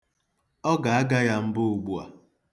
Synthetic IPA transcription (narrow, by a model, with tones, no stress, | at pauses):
ɔ˦ɡa˨a˦ɡa˦ja˦m̩˦bʊ˦u˨ɡ͡bu˨a̰˨